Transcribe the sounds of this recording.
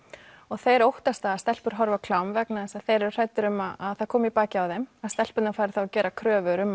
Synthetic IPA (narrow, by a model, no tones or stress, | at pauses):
ɔɣθejɾowht̪ast̪aːast̪ɛl̥pʏɾ̥ɦɔɾvakʰl̥awmvɛknaðɛsaðθejɾɛɾʏ̥r̥ajt̪ʏɾʏmːaaðθaðkʰɔːmipaːcɪawðejmaðst̪ɛl̥pʏt̪nafaːɾɪ̥θawacɛːɾakʰɾœːvʏɾʏmː